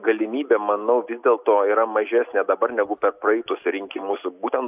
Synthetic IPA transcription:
ɡɐlʲɪmʲiːbʲeːmɐnɐʊʋʲɪzʲd̪ʲeːlˠt̪oːiːɾɐmɐʒʲæːsʲnʲeːd̪ɐbɐɾnʲɛɡʊpʲɛrpɾɐɛɪt̪ʊsɾʲɪŋʲkʲɪmʊsbuːt̪ʲɛnt̪

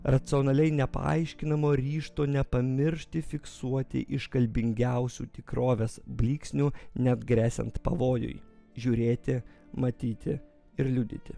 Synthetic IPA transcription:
ɾɐt̪sɨoːnɐlʲɛɪnʲɛpɐ̰ɐ̰ɪʃʲkʲɪnɐmoːɾʲiːʃt̪oːnʲɛpɐmʲɪɾʲʃt̪ʲɪfʲɪksuɔt̪ʲɪ̰ʔɪʃkɐlʲbʲɪŋʲɡʲæʊsʲṵːt̪ʲɪkɾoːʋʲeːsblʲiːksʲnʲunʲɛd̪ɡɾʲæːsʲɛ̰nt̪pɐ̰ʋoːjʊ̰jʒʲuːɾʲeːt̪ʲɪ | mɐt̪ʲiːt̪ʲɪ | ɪɾlʲʊd̪ʲɪ̰t̪ʲɪ

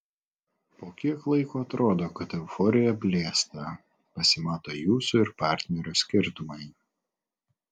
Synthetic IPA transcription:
poːkʲiɛklˠɐɪkoːɐt̪ɾoːd̪oːkɐt̪ɛʊfɔɾʲɪjɛpʲlʲeːst̪ɐ | pɐsʲɪmɑːt̪oːjuːsʊɪɾpɑˑɾʲt̪ʲnʲɛɾʲʊsʲkʲɪɾt̪ʊmɐɪ

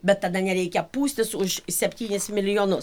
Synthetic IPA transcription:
bʲɛt̪t̪ɐd̪ɐnʲɛɾʲɛɪkʲɛpuːsʲt̪ʲɪsʊʃsʲɛpʲt̪ʲiːnʲɪsmʲɪlʲɪjoːnʊs

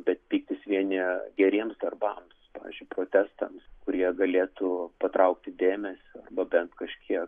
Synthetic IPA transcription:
bʲɛt̪pʲiːk̚t̪ʲɪsʋʲiɛnʲɪɡʲɛɾʲiɛmsd̪ɐrbɐmspɑːʋʲɪ̰zʲd͡ʒʲʊɪpɾoːt̪ʲæːst̪ɐmskʊɾʲiɛɡɐlʲeːt̪upɐt̪ɾɐʊkt̪ʲɪd̪ʲeːmʲɛsʲɪɐrbɐbʲɛnt̪kɐʃʲkʲiɛk

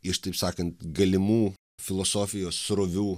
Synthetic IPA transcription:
ɪʃt̪ɐɪpsɑːkɐnt̪ɡɐlʲɪmuː | fʲɪlˠɔsoːfʲɪjoːsːɾoʋʲuː

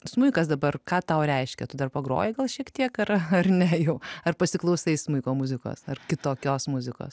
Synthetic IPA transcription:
smʊɪkɐsd̪ɐbɐrkɑːt̪ɐʊɾʲɛɪʃʲkʲɛ̰t̪ʊd̪ɐrpɐɡɾo̰ːjɪɡɐlˠʃʲiɛkt̪ʲiɛkɐrɐrnʲɛjɛʊɐrpɐsʲɪklˠɐʊsɐɪsmʊɪkoːmʊzʲɪko̰ːsɐrkʲɪt̪oːkʲoːsmʊzʲɪko̰ːs

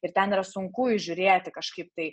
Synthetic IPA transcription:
ɪɾt̪ʲɛniːɾɐsʊŋkʊɪʒʲʊɾʲeːt̪ʲɪkɐʃkɐɪp̚t̪ɐɪ

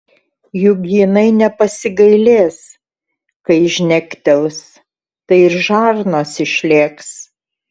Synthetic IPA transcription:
jʊɡʲjɪnɐɪnʲɛpɐsʲɪɡɐɪlʲeːs | kɐɪʒʲnʲɛkʲt̪ʲɛlˠs | t̪ɐɪɪɾʒɑːɾnoːsɪʃʲlʲeːks

